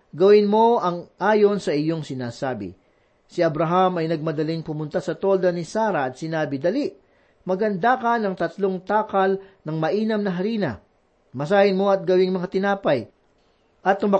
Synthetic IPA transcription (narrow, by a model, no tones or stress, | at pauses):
ɡɐwɪnmo̞ʔɐŋʔaːjo̞nsɐʔɪjo̞ŋsɪnaːsaːbɪ̰ | sɪɐbɾɐɦamɐjnɐɡ̚mɐd̪ɐliŋpʊmʊnt̪asɐt̪o̞ld̪ɐnɪsaːɾɐɐt̪̚sɪnaːbɪd̪ɐliʔ | mɐɡɐnd̪akɐnɐŋt̪ɐt̪lo̞ŋt̪aːkɐlnɐŋmɐʔiːnɐmnɐɦɐɾiːnɐ̰ | mɐsaːhɪnmo̞ɐt̪̚ɡɐwɪŋmɐŋat̪ɪnaːpɐj | ʔɐt̪ːʊmɐ